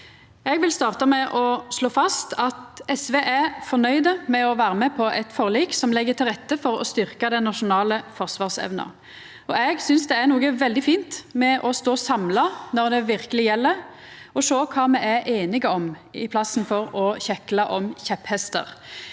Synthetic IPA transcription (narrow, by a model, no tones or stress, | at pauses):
ɛɡʋɪlst̪ɑːʁt̪ɑmɛʔɔʂloːfɑst̪ʰɑt̪ɛsʋeːʔæfɔʁnœʏd̪əmɛɔʋæːʁəmɛpʰɔʔɛt̪fɔʁliːksɔmlɛɡːət̪ʰɪlʁɛt̪ːəfɔʁɔ̰st̪ʏɾkɑd̪ɛnɑʂʊnɑːləfɔʁsʋɑːʁsɛ̰ʋnɑ̰ | ɔɛɡsʏnsd̪ɛæʁnuːɡəʋɛld̪ɪfiːnt̪mɛʔɔst̪oːsɑmlɑnɔʁd̪ɛʋɪʁkəlɪjɛlːəɾ | ɔʂoːkʰɑːmɛæʔeːnɪɡəɔmɪpʰlɑsnfɔɾɔçɛklɑʔɔmçɛphɛst̪ə̰ʁ